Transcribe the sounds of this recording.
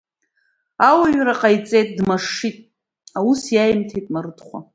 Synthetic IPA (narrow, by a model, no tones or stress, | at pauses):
awaɥɾaqʼajt͡sʼejtʼdmaʂitʼ | ausjajmtʰejtʼmaɾɨdχʷa̰